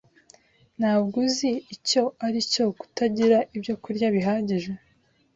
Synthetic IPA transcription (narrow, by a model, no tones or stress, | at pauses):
naːβɡuziːco̞aɾico̞ku̥taɟiɾaʔibjo̞kuɾɟaβiɦaːɟiʒwe